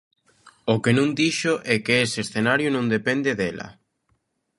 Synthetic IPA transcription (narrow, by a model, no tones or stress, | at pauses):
ʊkenũŋd̪iʃʊʔɛkeeseːsθenaɾjʊnõŋd̪epɛnd̪eðɛlɐ̰